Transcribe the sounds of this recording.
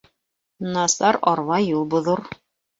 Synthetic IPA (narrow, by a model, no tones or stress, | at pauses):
nɑsɑɾɑɾvɑjulˠbŏðoɾ